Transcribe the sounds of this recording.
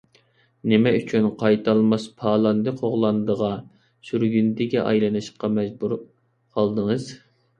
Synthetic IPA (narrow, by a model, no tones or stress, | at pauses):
nɪmɛyt͡ʃʰynqʰɑjt̪ʰɑlˠmɑspʰɑːlˠɑnd̪ɨqʰoʁlˠɑnd̪əʁɑ | syɾɡʲynd̪ɪɡʲɛʔɑ̰jlˠɨnɨʃə̥qɑmɛd͡ʒbuɾ | qʰɑlˠd̪əŋəz